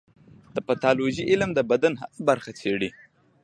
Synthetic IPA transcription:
d̪̥əpat̪ɑloʒiʔɪlmd̪əbad̪anɦaabaɾxat͡seɽi

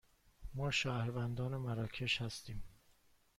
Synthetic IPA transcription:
mɒːʃæːhɾvænd̪ɒːnemæɾɒːcʰeʃhæst̪iːm

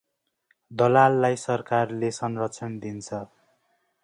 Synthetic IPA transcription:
d̪ʌlalːajsʌrkarlesʌnrʌt͡sʰʌnd̪int͡sʰʌ

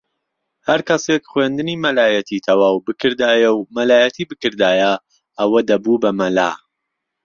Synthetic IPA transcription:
hɐɾkɐsekχwend̪ɨniːmɐlaːjɐt̪ʰit̪ʰɐwaːwbɨkʰɨɾd̪aːjɛwmɐlaːjɐt̪ʰiːbɨkɨɾd̪aːjɐ | ɐwɐd̪ɐbubɐmɐla̰ː

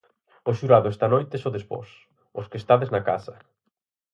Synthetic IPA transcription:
ʊʃuɾaðʊɛst̪anojt̪esoðespɔ̰s | ʊskest̪aðeznaka̰sɐ

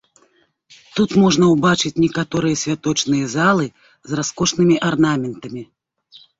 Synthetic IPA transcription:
t̪ut̪mɔʐnɐwbat͡ʂɨt͡sʲnʲɛkat̪ɔɾɨjɐsʲvʲat̪ɔt͡ʂnɨjɐzalˠɨ | zraskɔʂnɨmʲiʔarnamʲɛnt̪ɐmʲi

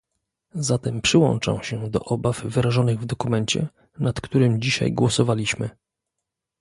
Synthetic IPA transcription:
zat̪ɛmpʂɘwɔ̰nt͡ʂa̰w̃ɕɛd̪ɔ̰ʔɔbafvɘɾaʐɔnɘɣvd̪ɔkumɛɲt͡ɕɛ̰ | nat̪kt̪uɾɘmd͡ʑiɕa̰jɡwɔsɔvalʲiɕmɘ

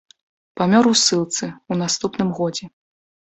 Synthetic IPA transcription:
pamʲɔɾuwsɨlˠt̪sɨunast̪upnɨmɣɔd͡zʲɛ

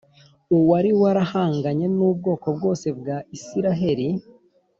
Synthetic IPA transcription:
uwaɾiwaɾahaːŋɡaɲe̞nuːb̚ɡo̞ːko̞b̚ɡo̞ːse̞bɡaisiɾaɦe̞ɾi

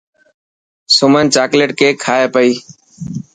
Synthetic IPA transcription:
sʊmənt͡ʃaːkleːʈkeːkʰaːeːpəiː

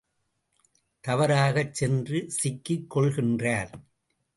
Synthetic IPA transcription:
t̪ɐʋɐɾaːɣɐt͡ʃːsɛndrɯsɪkːɪkːɔɭɣɪndraːɾ

